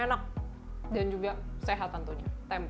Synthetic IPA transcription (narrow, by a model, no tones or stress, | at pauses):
enak̚ | dand͡ʒuɡaseɦat̪ːant̪uɲat̪ɛm